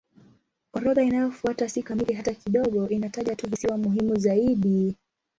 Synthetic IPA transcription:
kwaɾɔðainajɔfuatasikamiliɦatakiɗɔɠɔʔinataʄatuvisiwamuɦimuzaiɗi

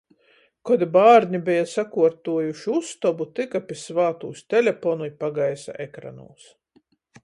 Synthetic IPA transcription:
kɔd̪ibaːɾnʲibɛjasakuɔɾt̪uɔjuʃiust̪ɔbut̪ɨkapʲisvaːt̪uːsʲt̪ʲɛlʲepɔnujpaɡajsa̰ʔekɾa̰nṵːs

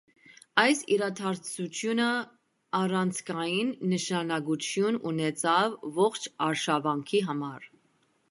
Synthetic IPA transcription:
ɑjsiɾɑt̪ʰɑɾt͡sut͡ʃʰjunə | ɑrɑnt͡sʰkʰɑjinːəʃɑnɑɡut͡ʃʰjununɛt͡sʰɑvːɔχt͡ʃʰɑɾʃɑvɑŋkʰiɦɑmɑɾ

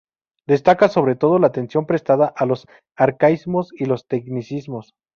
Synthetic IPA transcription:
d̪e̞st̪akaso̞βɾe̞t̪o̞ð̞o̞laːt̪e̞nsjo̞mpɾe̞st̪aðaʔalo̞s | aɾkaizmo̞silo̞st̪e̞knisizmo̞s

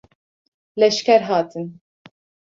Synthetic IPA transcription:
lɛʃkʲɛɾɦɑːt̪ʰɨn

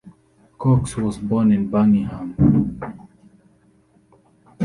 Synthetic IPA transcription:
kɔkswɔzbɔnɪ̃nbanihãm

